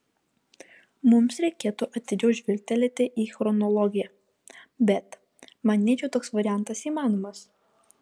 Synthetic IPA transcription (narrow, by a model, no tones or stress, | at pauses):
mʊmsɾʲɛɪkʲeːt̪uʔɐt̪ʲɪd͡ʒʲɛʊʒʲʋʲɪlʲt̪ʲɛlʲet̪ʲɪʔiːxɾɔnɔlˠɔɡʲɪjɛ | bʲɛt̪ | mɐnʲiːt͡ʃʲɛʊt̪oːksʋɐɾʲɪjæˑnt̪ɐsiːmɑːnɔːmɐs